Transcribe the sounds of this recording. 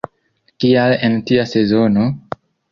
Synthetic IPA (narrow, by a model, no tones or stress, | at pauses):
kialentiase̞zono̞